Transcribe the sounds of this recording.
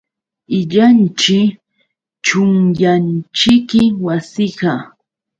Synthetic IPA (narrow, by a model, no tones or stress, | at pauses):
ɪʎant͡ʃɪ | t͡ʃʊŋjant͡ʃɪkɪwasɪɢɑ